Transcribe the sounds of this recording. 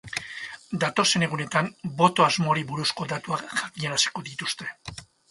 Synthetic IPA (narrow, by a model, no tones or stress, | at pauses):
d̪at̪o̞se̞ne̞ɣune̞t̪ambo̞t̪o̞azmoɾiβuɾusko̞d̪at̪uakʝakiɲaɾasi̥ko̞ðit̪ust̪e̞